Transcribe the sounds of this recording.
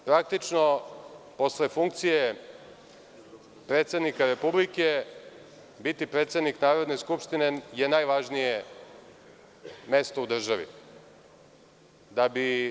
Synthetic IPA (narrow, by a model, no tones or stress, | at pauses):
pɾak̚t̪it͡ʃno̞po̞sle̞fuŋk̚t̪sije | pɾeːt̪se̞d̪nikaɾe̞publike | bit̪ipɾet̪sed̪niknaːɾo̞d̪ne̞skupʃt̪ine̞je̞najʋaʒnije | me̞st̪oud̪r̩ʒaʋḭ | d̪abi